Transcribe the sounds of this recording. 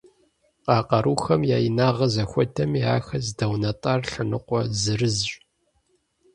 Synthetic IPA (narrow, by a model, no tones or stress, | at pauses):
qɑːqɐɾuːxɐmjaːjinaːʁɐzɐxʷɔdʰɐmiaːxɐzdɐwnɐtʼaːrɬɨnɨqʷɔzɨrɨzʼ